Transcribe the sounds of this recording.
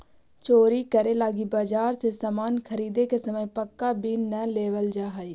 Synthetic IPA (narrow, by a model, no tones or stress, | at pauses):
t͡ʃoːɾikəɾelaːɡibaːd͡ʒaːɾsesamaːnkʰəɾiːd̪ekesɐməjpəkːabinːəleːʋəld͡ʒaːɦai